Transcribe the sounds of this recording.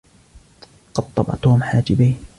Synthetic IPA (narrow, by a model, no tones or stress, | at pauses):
qɑd̪̚t̪ˤːɑbɑ̰ʕt̪oːmħaːd͡ʒɪbiːn